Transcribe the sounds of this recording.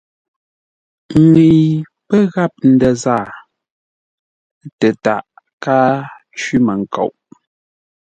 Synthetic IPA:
ŋe˨j | pə˦ɣa˦˨p̚n̩˨də˨zaː˦˨˦ | tə˨ta̰˨ʔ | kaː˦ | t͡ʃɥi˦mə˨ŋ̩˨ko̰˨wʔ

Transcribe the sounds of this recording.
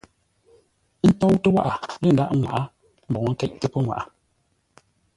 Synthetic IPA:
n̩˦tɔ˦wtə˦wa˦ʔa˨lə˦˨n˨da̰˦ʔŋwa̰˨ʔa˦ | m̩˨bɔ˨˦ŋ̩˦kɛ˦ʔtə˦pə˦ŋwa̰˨ʔa˨

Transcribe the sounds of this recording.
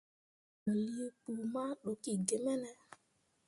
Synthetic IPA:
n̩˨li˦k͡pu˨ma˦ɗo˨ki˦˨ɡe˨mɛ˦nɛ˦

